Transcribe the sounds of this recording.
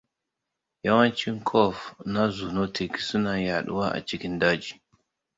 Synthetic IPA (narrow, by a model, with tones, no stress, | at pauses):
ja˦wɐ˦nt͡ʃi˦ŋkʰɔ˦˨fna˦zu˨no˦tʰi˨ksu˦na˨ja˨ɗṵ˦wa˦ʔa̰˨t͡ʃi˦kʲi˦ndaː˦d͡ʒi˨